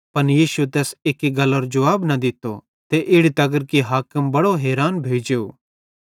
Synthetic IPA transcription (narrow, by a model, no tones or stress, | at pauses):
pɐnjiːsuet̪ɛːsekiɡɐləɾd͡ʒɐʋaːbnɐd̪ɪt̪o | t̪eʔɪɽit̪ɐɡəɾkiɦaːkəmbɐɽoɦɛːɾaːnbʱeːd͡ʒejo̰ː